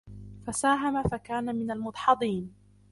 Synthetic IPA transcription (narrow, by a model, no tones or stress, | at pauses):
fasaːɦamafakaːnamɪnalmʊt̪ˤħɑd̪ˤiːn